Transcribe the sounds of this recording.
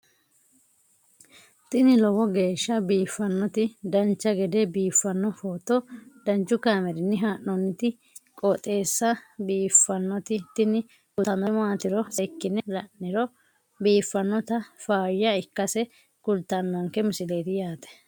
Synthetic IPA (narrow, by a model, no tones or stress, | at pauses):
t̪ɪnɪlɔwɔɡe̞ːʃːɐbiːfːɐnːɔt̪ɪd̪ɐnt͡ʃːɐɡɛd̪ɛbiːfːɐnːɔfoːt̪ːɔd̪̥ɐnt͡ʃːʊkaːmɛɾɪnːɪɦaːnːɔnːɪt̪ɪ | kʼɔt̪ʼe̞ːsːɐbiːfːɐnːɔt̪ɪt̪ɪnɪ | kʊɐnːɔmɔaːt̪ɪɾɔsɛkːɪnɛlɐnːɪɾɔ | biːfːɐnːɔt̪ɐfaːjːɐɪkːɐsɛ | kʊlt̪ːɐnːɔŋkɛmʊsɪleːt̪ɪjaːt̪ɛ̥